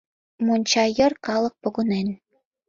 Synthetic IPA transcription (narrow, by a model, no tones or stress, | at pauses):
monʲt͡ɕɑjɤ̆rkɑlˠɤ̆k̚pŏɣŏnen